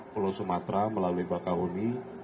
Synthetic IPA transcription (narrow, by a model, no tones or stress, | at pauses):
pulosumat̪ɾaməlaluibakaɦuni